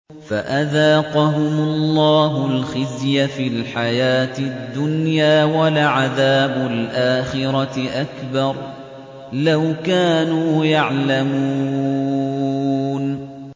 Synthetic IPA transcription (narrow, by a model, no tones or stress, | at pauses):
faʔaðɑːqɑɦʊmʊllˤːɑːɦʊlxɪzjafiːlħajaːt̪ɪd̪ːʊnjaːwalaʕaðaːbʊlʔaːxɪɾɑʔakbɑɾˤ | lawkaːnuːjaʕlamuː | n